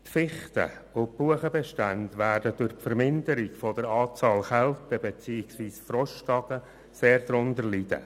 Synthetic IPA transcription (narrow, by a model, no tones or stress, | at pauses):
tfɪχtə̰ʊb̥uəχəbɛʃtændʋæːrd̥əd̥ʊɾpfəɾmɪndəɾɪkfɔd̥əɾɑːt͡sɑːlχɛltəbet͡siːɪksʋiːsfrɔʃtɑɡ̥ə | seːɾd̥ɾʊndəɾlid̥ə̰